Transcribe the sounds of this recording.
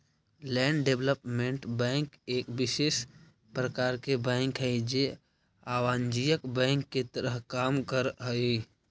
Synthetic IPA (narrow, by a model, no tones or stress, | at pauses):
lɛːɳɖɖebləpmẽɳʈbɛ̃ːŋkeːkbɪʃeːʃ | pɾəkaːɾkebɛ̃ːŋkɦɛɪd͡ʒe | aːʋaːnd͡ʒijəkbɛ̃ːŋkːet̪əɾəɦkaːmkəɾɦəi